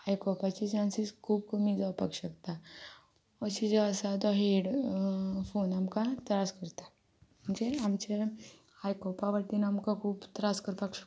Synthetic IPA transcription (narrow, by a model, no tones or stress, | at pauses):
hajkɔpat͡ʃit͡ʃãːnsiskʰuːb̚komid͡zapəkʃəkt̪a | ɔt͡ʃid͡ʒaəsat̪ɔɦeːɖ | fʰoːnɐmkat̪ɾaskəɾt̪a | mud͡ʒeamt͡ʃe | haːjkɔpaʋəʈinɐmkakʰuːbt̪ɾaːskəɾpakʃ